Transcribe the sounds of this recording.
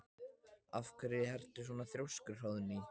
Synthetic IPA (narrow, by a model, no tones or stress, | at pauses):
afkɛɾɪhɛr̥t̪ɪ̥sɔːnaθɾjowskʏɾ̥rawðni